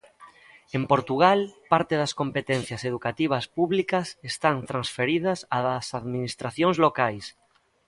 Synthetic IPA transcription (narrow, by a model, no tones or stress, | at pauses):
empoɾt̪uɣalpaɾt̪eðɐskompet̪ɛn̟θjɐseð̞ukat̪iβ̞ɐspuβlikɐsest̪ant̪ɾansfeɾið̞ɐsaðɐsaðminist̪ɾaθjoŋzlokajs